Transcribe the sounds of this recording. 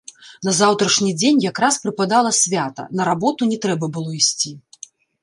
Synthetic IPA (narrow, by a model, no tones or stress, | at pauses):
nɐzawt̪ɾɐʂnʲid͡zʲenʲjakɾaspɾɨpad̪alˠɐsʲvʲat̪ɐ̰nɐɾabɔt̪unʲɛt̪ɾɛbɐbɨlˠɔisʲt͡sʲi